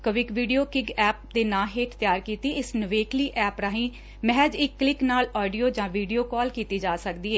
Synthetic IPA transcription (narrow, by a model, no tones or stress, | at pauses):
kəʋɪkʋiːɖijoːkɪɡɛːp̚d̪eːnãːɦeːʈt̪jaːɾkiːt̪iːɪsnəʋeːkliːʔɛːpɾaːɦĩː | mɛɦɛd͡ʒɪkːlɪknaːlɔːɖijoːd͡ʒãːʋiːɖijoːkɔːlkiːt̪iːd͡ʒaːsəkd̪iːɦɛː